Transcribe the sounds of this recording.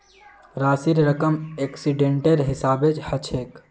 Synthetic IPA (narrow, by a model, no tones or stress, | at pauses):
ɾaːsiɾɾəkəmeksiɖẽːɳʈelɦɪsaːbet͡ʃhət͡ʃʰek